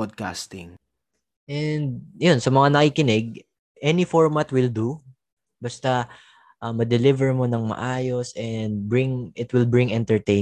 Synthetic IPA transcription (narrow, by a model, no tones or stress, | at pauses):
od̪̚ka̰st̪ɪŋ | ʔɛnd̪̚jonsɐmɐŋanɐkiːkɪnɪɡ̚ | ʔɛnifoɹmat̪wɪld̪u | bɐst̪a | ʔɐmɐd̪ɛlɪvɛɹmo̞nɐŋmɐ̰ʔaːjo̞sʔɛnd̪̚bɹɪŋʔɪt̪wɪlbɹɪŋɛnt̪ɛɹt̪e